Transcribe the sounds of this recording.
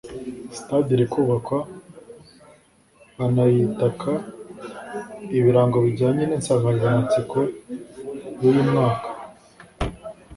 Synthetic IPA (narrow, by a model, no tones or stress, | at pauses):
si̥tadiɾikuːβakwa | βanajitakʰa | iβiɾaːŋɡo̞βiɟaːɲeniːnsavazamat͡sikʰo | jujimŋaːkḁ